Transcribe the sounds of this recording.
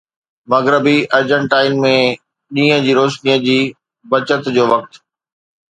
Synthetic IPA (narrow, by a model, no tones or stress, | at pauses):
mɐɣɾəbiʔɐɾd͡ʑə̃ɳʈaːɪnmẽ | ɗĩːə̃d͡ʑiːɾoːʃnijəd͡ʑiː | bɐt͡ɕət̪d͡ʑoːʋɐk̚t̪